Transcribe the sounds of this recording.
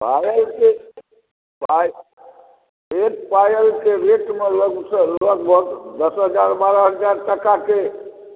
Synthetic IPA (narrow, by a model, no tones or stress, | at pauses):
pajəlke | paj | eʈpajəlkeɾeʈmeləɡsələɡ̚bʱəɡd̪əsɦəd͡ʒaɾbaɾəɦəd͡ʒaɾʈəkake